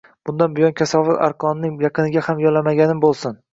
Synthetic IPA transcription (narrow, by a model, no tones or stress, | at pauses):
b̥ʊnd̪anbɪjɒnkʲʰasɒvɪɾa̰ɾqʰɒnɪnɪŋjɑqʰɨnɪɡʲahamjɒlːamaɡʲanɪmbolˠsɪn